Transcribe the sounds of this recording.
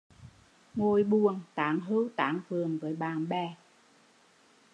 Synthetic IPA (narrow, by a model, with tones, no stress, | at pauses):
ŋo˧˩jɓu˨˩ənt̪aː˨˦ŋɦəː˧˦˥wt̪aː˨˦ŋvɨ˨˩əŋvəː˨˦jɓaː˨˩nɓɛ˧˩